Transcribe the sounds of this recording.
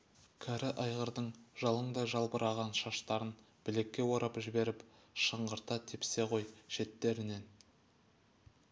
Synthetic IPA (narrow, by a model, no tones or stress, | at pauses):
kʲʰæɾɪʔɑjʁəɾd̪əɴʒɑlˠəɴd̪ɑʒɑlˠbəɾʔɑʁɑnʃɑʃt̪ɑɾən | b̥ɪle̞kʲːe̞woɾɑpʒɪbe̞ɾɪp | ʃəɴɢəɾt̪ɑt̪ʰepse̞qʰo̞jʃe̞t̪ːe̞ɾɪne̞n